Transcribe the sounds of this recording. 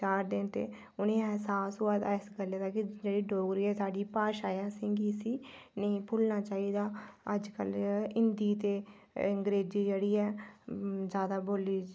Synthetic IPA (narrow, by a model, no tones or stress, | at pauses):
aːɾd̪eːnt̪ḛː | ʊnẽːɛɦsaːsɦoːaːd̪ɪsɡəljaːd̪aːkɪd͡ʒeːɽiːɖoːɡɾiːɛːsaːɖiːpaːʃaːjãːsɪŋɡiːsiːnəĩːpʰʊlnaːt͡ʃaːiːd̪aːə̰d͡ʒkə̰lɪnd̪iːt̪eː | əŋɡɾeːd͡ʒiːd͡ʒeːɽiːɛː | zjaːd̪aːboːliː